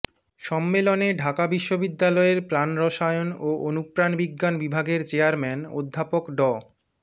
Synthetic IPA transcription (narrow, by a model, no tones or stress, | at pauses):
ʃɔmːeloneɖʱakabiʃːobid̪ːalɔeɾpɾanɾɔʃajonoonupɾanbiɡːanbibʱaɡeɾt͡ɕeaɾmɛno̰d̪ʱːapokɖɔ